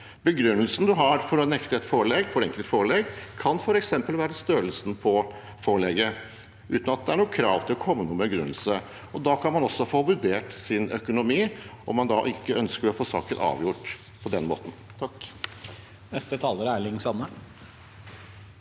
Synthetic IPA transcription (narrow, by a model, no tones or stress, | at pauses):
bəɡɾʉnːəlsən̩d̪ʉɦɑɾfɔɾɔnɛkt̪əɛt̪foːɭɛɡfɔɾɛŋkəlt̪foːɭɛɡkʰɑnfɔɾɛksɛmpəlʋæːɾəst̪øːɾəl̩sən̩pʰɔ | foːɭɛɡə | ʉ̰ːt̪n̩ɑt̪̚d̪ɛæɳuːkʰɾɑ̰ːʋt̪ʰɪlɔkʰɔmːənuːəmɛɡɾʉnːəl̩sə | ɔd̪ɑkʰɑnmɑnɔsːɔfoːʋʉɖeːʈsɪnœkʊnʊmiːʔɔmːɑnd̪ɑʔɪkːəœnskəɾɔfoːsɑ̰ːkənɑ̰ːʋjʊʈ | pʰɔd̪ɛnmo̰ːt̪n̩t̪ʰɑk | nɛst̪ət̪ʰɑːləɾæɭɪŋsɑnːə